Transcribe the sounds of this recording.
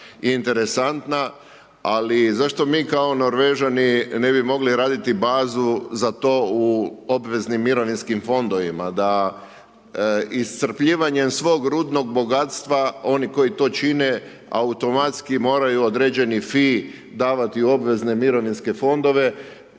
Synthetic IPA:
int̪e̞ɾe̞sant̪na | alizaʃt̪o̞miːkao̞no̞ɾʋe̞ʒanine̞bimo̞ɡliɾaːd̪it̪ibaːzuzat̪o̞ːuobʋe̞znimːiɾo̞ʋinskimfo̞nd̪o̞ʋimad̪a | ist̪sr̩pʎiːʋaɲe̞msʋo̞ːɡɾuːd̪no̞ɡ̚bo̞ɡat̪st̪ʋao̞niko̞jit̪o̞ːt͡ʃine̞ | a̰ut̪o̞mat̪skimo̞ːɾajuod̪ɾe̞ːd͡ʑe̞nifi | d̪aːʋat̪io̞bʋe̞zne̞miɾo̞ʋinske̞fo̞nd̪o̞ʋe̞

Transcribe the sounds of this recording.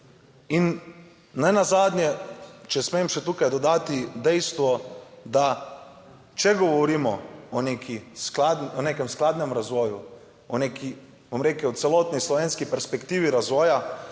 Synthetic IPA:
in | nɛnazaːd̪njɛt͡ʃɛsmemʃɛt̪uːkajd̪ɔd̪aːt̪id̪ɛjst̪ʋɔd̪a | t͡ʃɛɡɔʋɔɾiːmɔɔneːkʰisklad̪nɔneːkɛmsklaːd̪nɛmɾazʋɔːju | ɔneːki | bomɾeːklɛɔt̪sɛlɔːt̪nislɔʋeːnskipɛɾspɛkt̪iːʋiɾazʋɔːja

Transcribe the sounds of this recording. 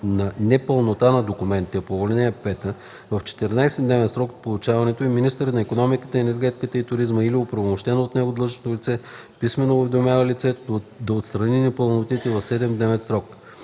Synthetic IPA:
nɐnɛpəlˠnot̪anɐd̪okʊmɛnt̪iɐpoːvolɛnʲiɛpɛt̪ə | vɐft͡ʃɛ̥t̪ɛɾnajsɛd̪nɛvɛt̪sɾɔkpolˠʊt͡ʃavɐnɛt̪oɛminist̪əɾət̪nɐikonɔmikə̥t̪əɛnɛɾɡʲɛt̪i̥kət̪əit̪ʊɾizməiliopɾɐvomoʃt̪ɛnəot̪nɛɡod̪lˠɤʒnot̪olit̪sɛpismɛnoːvɛd̪omʲjavəlit̪sɛd̪ɐot̪st̪ɾɐninɛpəlˠnot̪it̪ɛvɐfsɛd̪ɛmd̪nɛvɛt̪sɾɔk

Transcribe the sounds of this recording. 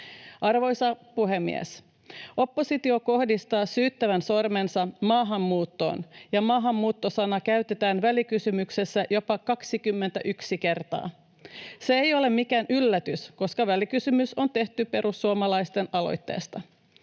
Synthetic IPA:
ʔɑrʋo̞jsɑpuɦe̞mːḭḛs | ʔo̞pːo̞sit̪io̞ko̞hdist̪ɑːsyːt̪ːæʋænso̞rme̞nsɑmɑːɦɑmːuːt̪ːo̞̰ːnjɑmɑːɦɑmːuːt̪ːosɑnɑkæyt̪e̞t̪æːnʋælikysymykse̞sːæjo̞pɑkɑksikymːe̞nt̪æʔyksike̞rt̪ɑ̰ː | seejo̞le̞mmːikæːnʔylːæt̪ysko̞skɑʋælikysymyso̞nt̪eht̪ype̞ɾusːuomɑlɑjst̪e̞nɑlo̞̰jt̪ːe̞̰ːst̪ɑ

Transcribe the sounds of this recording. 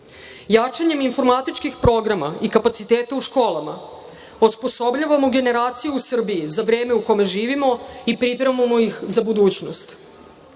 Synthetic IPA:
jat͡ʂaɲe̞minfo̞ɾmat̪it͡ʃkixpɾo̞ɡɾama̰ikapat̪sit̪eːt̪auʃko̞ːlˠama̰ | ospo̞so̞bʎaʋamoɡe̞ne̞ɾaːt̪sijuusr̩bijizaʋɾe̞ːme̞uko̞me̞ʒiːʋimo̞ipɾipɾeʋmamoixzabud̪uːt͡ɕnost̪

